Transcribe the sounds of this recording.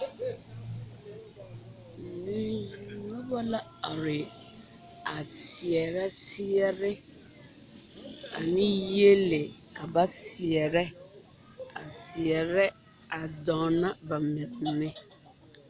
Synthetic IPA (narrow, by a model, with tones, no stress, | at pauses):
n̩˨nĩ˦˨˦nʊ̃˦bɔ˦la˦a˨ɾɪ˨ | a˨si˨ɛ˨ɾɛ˦si˦ɛ˦ɾɛ˦ | a̰˨nɪ̃˦je˦le˨ | a˨ba˦si˨ɛ˨ɾɛ˦ | a̰˨si˨ɛ˨ɾɛ˦ | a˨dɔ̃˨nã˦ba˨mɪ̃˨tnɪ̃˦